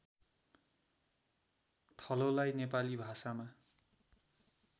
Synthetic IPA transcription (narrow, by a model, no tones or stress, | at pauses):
t̪ʰʌlolajnepalibʱasama